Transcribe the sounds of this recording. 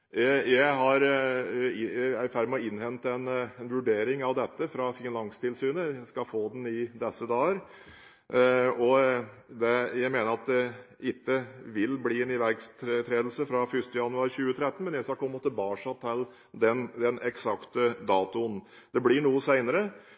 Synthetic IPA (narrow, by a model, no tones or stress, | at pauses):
jæɪɦhɑɾ | æɪfæːɾmɛɔɪnhɛnt̪ɛnɛnʋʉɖeːɾɪŋɑʋd̪ɛt̪ːəfɾɑfɪnlɑŋst̪ʰɪlsyːnəskɑfoːd̪nɪd̪ɛsːəd̪ɑːəɾ | ɔd̪ɛjæɪmeːnəɾɑt̪̚d̪ɛʔɪt̪ːəʋɪlbliːɛnɪʋæɾkst̪ʰɾt̪ʰɾeːd̪l̩səfɾɑfʏʂt̪əjɑnʉɑɾɕʉːət̪ʰɾɛt̪ːən̩mɛnjæɪsɑkʰɔmɔt̪ːəbɑːʂɑt̪ʰːɛl | d̪ɛnd̪ɛnɛksɑkt̪əd̪ɑːt̪ʊn | d̪̥ɛblɪɳuːəsæɪnəɾə